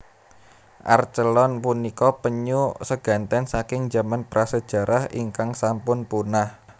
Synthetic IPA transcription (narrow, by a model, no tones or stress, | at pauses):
ʔa̰rt͡ʃəlɔnpunikɔpəɲusəɡ̥ä̤nt̪ɛnsakɪŋd͡ʒa̤manpɾʔasəd̥ʒ̥a̤ɾʔahiŋkaŋsampʊnpunah